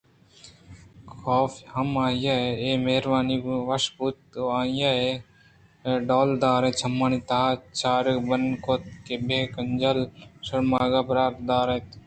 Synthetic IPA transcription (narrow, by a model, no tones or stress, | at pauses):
kʰoːfʰhɐmaːijaːeeːmeːɾʋaːniːʋɐʃbuːt̪̚aːijaːe | ɖoːld̪aːɾẽt͡ʃʰɐmːaːniːt̪at͡ʃaːɾbənkoːt̪̚kebʱeːkənd͡ʒəlsɐɽmaːɡaːpɾaːɾd̪aːɾeːt̪